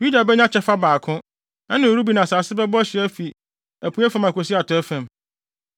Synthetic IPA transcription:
ju˦da˨bɛ˦ɲã˦t͡ɕʰɛ˦fa˦baː˨kʰʊ̃˦ | nã˦nɪ̃˨o˨ɾu˦bi˨nã˨saː˨sɪ˦bɛ˦bɔ˦æ˦ɕɪ˨æ˦fi˨ | æ˨pʰu˨˦æ˦fã˨ma˨ko˨si˦a˨tʰɔ˨˦æ˦fæ̃˨m

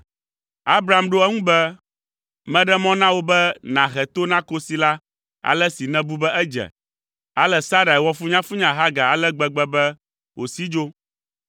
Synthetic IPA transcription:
a˦bɾa˨˦˨mɖo˦ɛ˦ŋũ˦bɛ˦ | mɛ̃˦ɖɛ˦mɔ̃˦nã˦wo˦bɛ˦nã˨ɣɛ˨t̪o˦nã˦ko˦si˨la˦ | a̰˨lɛ˦si˨nɛ̃˦bu˦bɛ˦ʔɛ˦d͡ʒɛ̰˨ | a˦lɛ˦sa˦ɾa˨wɔ˦fu˦ɲã˦fu˦ɲã˦ɦa˦ɡa˨a˨lɛ˦ɡ͡bɛ˦ɡ͡bɛ˦bɛ˦ | wo˨si˦d͡ʒo˦

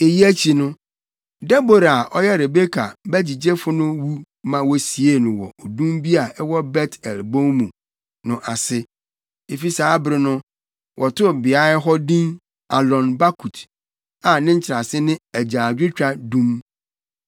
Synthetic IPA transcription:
e˨ji˦æ˦t͡ɕʰi˨nʊ̃˦ | dɛ˦bo˦ɾa˨ʔɔ˦jɛ˦ɾe˨be˦kʰa̰˨bæ˦d͡ʑi˨d͡ʑe˦fʊ˦nʊ̃˦wu˦ | mã˨wɔ˦si˨e˦˨nʊ̃˨wɔ̰˨o˨dũ˦mbi˦a˨ɛ˦wɔ˦bɛ˦tɛ˨lbõ˦mũ˨ | nʊ̃˨ʔa˨sɪ˦ | e˨fi˦saː˨˦bɾɪ˦nʊ̃˦ | wʔɔ˨tʊ˦bɪ˨a˦ɪ˦ɦɔ˦dĩ˦n | a˨lɔ̃˨nba˦kʰu˨t | ã˨nɪ̃˦ɲ̩˦t͡ɕʰɪ˨ɾa˨sɪ˦nɪ̃˦æ˨d͡ʑaː˨dᶣɪ˦t͡ɕᶣa˦˨dũ˦m

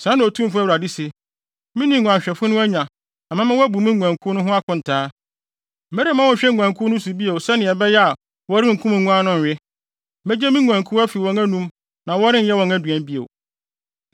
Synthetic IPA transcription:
sã˨˦n˨tʰũ˦m˦fʊ˦æ˦wu˨ɾa˨di˦se˨ | mĩ˦nĩ˦˨ŋʷũ˨ã˨ɕᶣɛ˨fʊ˦nʊ̃˦æ˦ɲᶣã˨ | ã˨mã˦mɪ̃˦wɔ˦æ˦bu˨mĩ˦ŋu˨ã˨ŋkʰu˦nʊ̃˦ɦʊ̃˦a˦kʰʊ̃˨n̩˨tʰaː˦ | m̩˨mɛ˦ɾi˦mã˦wɔ̃˨˦˨ɕᶣɛ˦ŋʷu˨ã˨ŋkʰu˦nʊ̃˦su˨bi˦e˨wsɛ˦nɪ̃˨ɛ˨bɛ˦jɛ˦a˨ | wɔ˦ɾɪ˦ŋ̩˨kʰũ˦m˨ŋũ˦ã˦nʊ̃˦nᶣ˨ɪ˦ | mɛ˦d͡ʑɛ˦mĩ˦ŋʷu˨ã˨ŋkʰu˦æ˦fi˨wɔ̃˨ŋæ̃˦nũ˦m | nã˨wɔ˦ɾɪ̃˦n̩˦jɛ˦wɔ̃˨ŋæ˦dɥɛ̃˨m˦bi˦ḛ˨

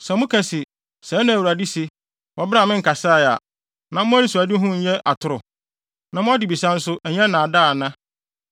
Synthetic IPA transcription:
sɛ˨mʊ̃˦kʰæ̃˨sɪ˨ | sɛ˨˦nã˨wa˨di˦sɪ˨ | wɔ˨bɪ˦ɾa˨mɪ̃˦ŋ̩˨ka˨sa˦˨ja̰˨ | nã˨mʊ̃˦æ˦ɾi˦su˨a˨dɪ˦ɦʊ̃˦ɲ̩˦ɲɛ˦ʔa̰˨tʰʊ˨ɾʊ˨ | nã˨mʊ̃˦ɔ˦dɪ˨bi˨sã˦n̩˦sʊ˦ʔɛ˨ɲɛ̃˦nã˨a˨da˦˨nã˦

